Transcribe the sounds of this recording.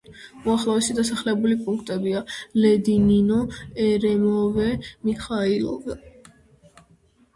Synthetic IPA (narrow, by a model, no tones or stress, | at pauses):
uaχlˠɔvɛsid̪asaχlɛbulipʼuŋk̚ʰt̪ʼɛbialɛd̪ininɔɛɾɛmɔvɛmiχailˠɔ̰vɛ